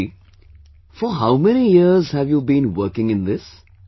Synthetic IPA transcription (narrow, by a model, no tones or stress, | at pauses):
fɔɦaʊmɛnijɪəzhæʋjuːbĩnwəkɪ̃ŋɪ̃nd̪ɪs